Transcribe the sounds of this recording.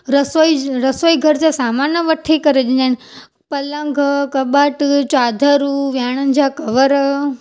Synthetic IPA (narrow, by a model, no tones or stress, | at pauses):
ɾəsojɾəsojɡʱəɾt͡ʃasamanjəʋəʈʰekəɾed͡ʒean | pələŋɡʱəkəbaʈt͡ʃad̪ʱəɾuʋjaɳ̃əɲd͡ʒʱakəʋəɾə